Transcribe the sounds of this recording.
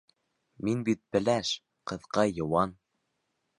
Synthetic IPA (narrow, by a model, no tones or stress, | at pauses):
minbit̪̚bɘ̆læʃ | qɤ̆ðqɑjɤ̆wɑn